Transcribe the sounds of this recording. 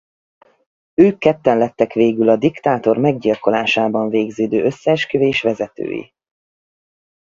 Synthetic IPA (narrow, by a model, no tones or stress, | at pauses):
øːkːɛt̪ːɛnlɛt̪ːɛkʋeːɡylɒd̪ikt̪aːt̪o̞rmɛɡ̚ɟilko̞laːʃaːbɒɱveːɡzøːd̪øːø̞sːɛːʃkøveːʃʋɛzɛt̪ø̰ːjḭ